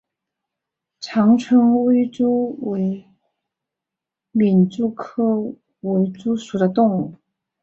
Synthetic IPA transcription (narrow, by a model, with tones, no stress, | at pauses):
ʈ͡ʂʰɑ˧˥ŋʈ͡ʂʰɤ˧˥ŋwe˥ɪʈ͡ʂu˥we˧˥ɪ | mi˨˩nʈ͡ʂu˥˩kʰɤ˥ | we˧˥ɪʈ͡ʂu˥ʂu˨˩d̪ə˦t̪ʊ˥˧ŋu˥˩